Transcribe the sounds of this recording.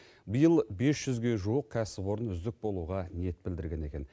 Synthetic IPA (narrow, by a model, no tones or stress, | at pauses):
bəjəlˠbe̞sʒ̥ʏzɡʲe̞ʒuəq̚kʲʰæsɪpbwo̞ɾənʏzd̪ɪk̚bo̞lˠuʁɑne̞t̪̚bɪld̪ɪɾɡʲe̞ne̞̰kʲe̞n